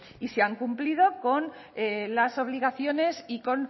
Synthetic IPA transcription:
iseaŋkumplið̞o̞ko̞n | elaso̞β̞liɣ̞aθjo̞ne̞siko̞n

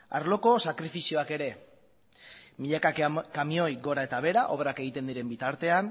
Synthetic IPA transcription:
a̰ɾlo̞ko̞sakɾifisio̞ake̞ɾe̞ | miʎakakamio̞jɡo̞ɾae̞t̪aβe̞ɾaʔo̞βrake̞ɣ̞it̪e̞nd̪iɾe̞mbit̪aɾt̪e̞an

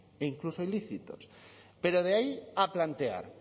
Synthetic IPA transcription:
iŋklusoiliθit̪os | peɾoð̞eaiaplant̪ea̰ɾ

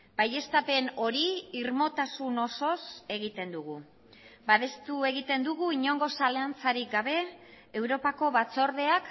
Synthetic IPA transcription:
baje̞st̪ape̞no̞ɾiiɾmo̞t̪asuno̞so̞se̞ɣit̪e̞nd̪uɣ̞u | baðe̞st̪ue̞ɣ̞it̪e̞nd̪uɣuiɲo̞ŋɡo̞saleant͡saɾik̚ɡaβ̞e̞ː | wɾo̞pako̞βat͡so̞ɾðe̞ak

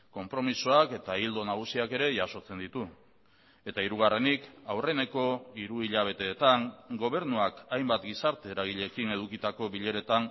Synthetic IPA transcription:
ko̞mpɾo̞misoake̞t̪aild̪o̞naɣ̞usiake̞ɾe̞ʝaso̞t͡se̞nd̪it̪u | e̞t̪aiɾuɣ̞are̞nikawre̞ne̞ko̞iɾuiʎaβ̞e̞t̪e̞ːt̪aŋɡo̞β̞e̞ɾnuakajmbat̪ɡisaɾt̪e̞ːɾaɣ̞iʎe̞kine̞ð̞ukit̪ako̞βiʎe̞ɾe̞t̪aŋ

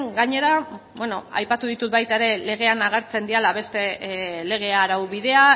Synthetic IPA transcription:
ŋɡaɲe̞ɾabweno̞a̰jpat̪uðit̪ut̪̚bajt̪aeɾe̞le̞ɣ̞e̞anaɣ̞e̞ɾt͡se̞nd̪ialaβe̞st̪e̞le̞ɣ̞e̞aɾawβiðe̞a

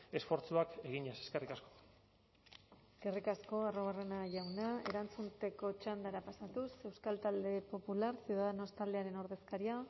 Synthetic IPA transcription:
e̞sfo̞ɾt͡suakeɣiɲese̥skerikasko̥ | eske̞rikasko̞aroβ̞are̞naʝawnae̞ɾant͡sunt̪eko̞t͡ʃand̪aɾapasat̪use̞wskalt̪ald̪e̞po̞pulaɾsiuðaðeno̞st̪ald̪e̞aɾe̞noɾðe̞skaɾia

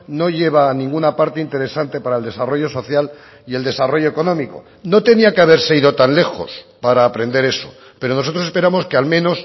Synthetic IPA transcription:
no̞ʝe̞β̞anĩŋɡunapaɾt̪eint̪e̞ɾe̞sant̪e̞paɾaeld̪e̞saro̞ʝo̞so̞θjal | ie̞ld̪e̞saro̞ʝo̞eko̞nõ̞miko̞̰ | no̞t̪e̞niakeaβ̞e̞ɾse̞iðot̪anle̞xo̞̰spaɾaːpɾe̞nd̪e̞ɾe̞so̞ | pe̞ɾo̞no̞so̞t̪ɾo̞sespe̞ɾamo̞ske̞almẽ̞no̞s

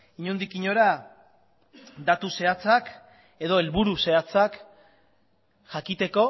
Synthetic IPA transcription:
iɲund̪ikiɲo̞ɾa | d̪at̪use̞at͡sak | e̞ðo̞elβuɾuse̞at͡sak | ʝakit̪e̞ko̞

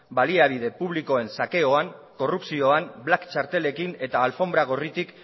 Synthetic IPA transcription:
baliaβ̞ið̞e̞puβ̞liko̞e̞nsake̞o̞aŋ | ko̞rupsio̞amblakt͡ʃaɾt̪e̞le̞kine̞t̪aːlfo̞mbɾaɣ̞o̞rit̪ik

